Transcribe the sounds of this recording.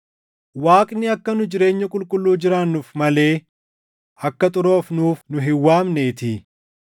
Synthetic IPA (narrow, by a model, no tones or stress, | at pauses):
waːkʼnɪɐkːɐnʊd͡ʒɪɾe̞ːɲːɐkʼʊlkʼʊlːuːd͡ʒɪɾaːnːʊfmɐle̞ː | ɐkːɐt̪ʼʊɾo̞ːfnuːfnʊɦɪwːaːmneːt̪ɪ